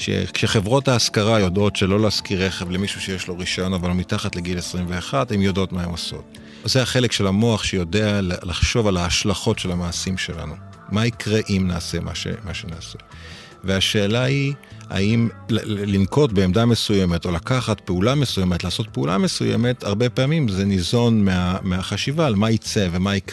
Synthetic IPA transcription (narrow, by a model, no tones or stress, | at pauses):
ʃḛkʃeχevʁo̞taːskaʁajodo̞tʃelo̞leaskiʁeχevlemiʃuʃejeʃlo̞ʁiʃajo̞navalomitaχatle̞ɡilesʁimve̞aχadimjodo̞tmaemoso̞̰t̚ | zeaχe̞le̞kʃelamo̞aχʃejo̞deallaχʃo̞valaːʃlaχo̞tʃe̞lamaːsimʃe̞la̰nu | maikʁeʔimnaːse̞ma̰ʃḛmaʃenaːsḛ | veaʃe̞ːlaia̰imllinko̞t̚be̞ːmdame̞suje̞me̞to̞lakaχatpeulame̞suje̞metlaːso̞t̚peula̰me̞sujḛme̞taʁbe̞peamimzenizo̞nmeameaχaʃivalmait͡se̞ve̞maik